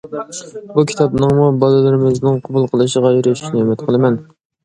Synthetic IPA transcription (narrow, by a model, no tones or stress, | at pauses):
bukʲʰi̥t̪ʰɑpnɨŋmubɑlɨlɨɾɪmɪznɪŋqʰɑbulˠqʰəlˠɨʃəʁɑjeɾɪʃy̥ʃnɪemɛt̪qʰəlˠɨmɛn